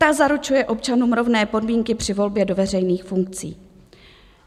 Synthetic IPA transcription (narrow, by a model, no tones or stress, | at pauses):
azaɾut͡ʃujɛʔo̞pt͡ʃanuːmɾo̞vnɛːpo̞dmiːŋkɪpr̝̥ɪvo̞lbjɛdo̞vɛrɛjniːxfuŋk̚t͡sḭː